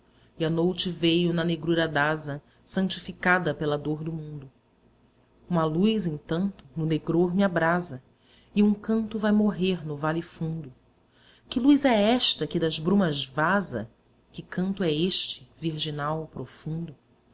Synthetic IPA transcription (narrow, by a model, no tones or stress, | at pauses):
ianojt͡ʃɪvejʊnɐneɡɾuɾɐd̪azɐ | sɐ̃t͡ʃifikad̪ɐpelɐd̪oɾd̪ʊmũnd̪ʊ | ũmɐlujzẽt̪ɐ̃nt̪ʊnʊneɡɾoɾmɪabɾazɐ | iũŋkɐ̃nt̪ʊvajmoɦeɾnʊvalifũnd̪ʊ | kɪlujzɛɛʃt̪ɐkɪd̪ɐzbɾũmɐzvazɐ̰ | kɪkɐ̃nt̪ʊɛeʃt͡ʃɪ̥viɾʒinawpɾofũnd̪ʊ